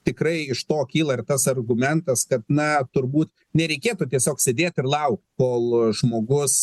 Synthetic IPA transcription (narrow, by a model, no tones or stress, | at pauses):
t̪ʲɪkrɐɪɪʃt̪oːkʲiːlˠɐɪrt̪ɐsɐrɡʊmʲɛnt̪ɐskɐt̪nɐt̪ʊrbuːt̪ | nʲɛɾʲɛɪkʲeːt̪uːt̪ʲiɛsʲoːksʲeːd̪ʲeːt̪ʲɪrlˠɐʊkt̪koːlˠʒmoːɡʊs